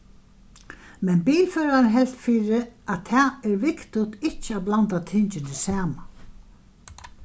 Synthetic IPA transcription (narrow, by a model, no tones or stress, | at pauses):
mɛnbiːlfɛːɾaɾɪnɦɛl̥t̪fiːɾɪæt̪ʰɛːɛɹʋɪkt̪ʊt̪ɪt͡ɕːɪablant̪at̪ʰɪɲt͡ʃɪnɪsæːma